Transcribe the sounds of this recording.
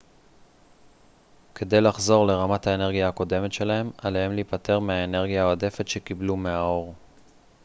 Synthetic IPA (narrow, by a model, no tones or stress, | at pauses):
ke̞d̪e̞jlaχzo̞ʁle̞ʁamathaene̞ʁɡijaako̞de̞met̪ʃe̞laɦe̞maleɦemliːpat̪e̞ʁmeaene̞ʁɡijaːode̞fe̞t̪ʃe̞kiblumeao̞ʁ